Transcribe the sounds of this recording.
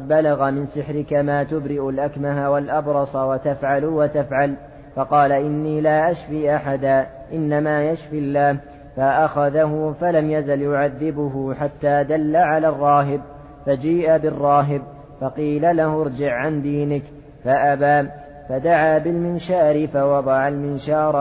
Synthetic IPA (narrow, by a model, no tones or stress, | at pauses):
d̪̚balaɣamɪnsɪħɾɪkamaːt̪ʊbɾɪʔʊlʔakmaɦawalʔɑbɾˤɑsˤɑwat̪afʕalwat̪afʕal | fɑqɑːlaʔɪnːiːlaːʔaʃfiːʔaħad̪aː | ʔɪnːamaːjaʃfilːaːh | faʔaxaðaɦʊfalamjazaljʊʕaðːɪbʊɦʊħat̪ːaːd̪alːaʕalaːrˤːɑːɦɪb̚ | fad͡ʒiːʔabɪrˤːɑːɦɪb | fɑqiːlalahʊɾˤd͡ʒɪʕʕand̪iːnɪk | faʔabaː | fad̪aʕaːbɪlmɪnʃaːɾɪfawɑd̪ˤɑʕalmɪnʃɑːɾˤ